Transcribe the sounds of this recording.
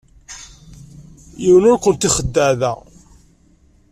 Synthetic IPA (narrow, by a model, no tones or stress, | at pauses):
jiwənʊɾkʷənt̪iχəd̪ːæðæ̰